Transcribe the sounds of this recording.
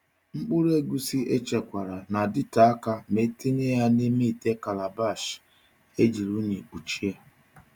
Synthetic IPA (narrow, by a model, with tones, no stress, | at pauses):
ŋ͡m̩˦k͡pʊ˦ɾe˦ɡu˦si˦e˦t͡ʃe˨kʷa˨ɾa˨na˨dɪ˦ta˨a˦ka˦me˦te˦ne˦ja˦ne˦me˦i˨te˦ka˨la˨ba˦˨ʃ | e˦d͡ʒi˨ɾu˦ni˨u˨t͡ʃi˦ja˦